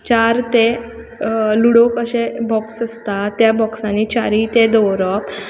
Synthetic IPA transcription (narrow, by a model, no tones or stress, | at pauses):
t͡ɕaɾt̪e | luɽokəɕebɔksəst̪at̪jabɔksãnit͡ɕaɾit̪ed̪ɔwɾɔp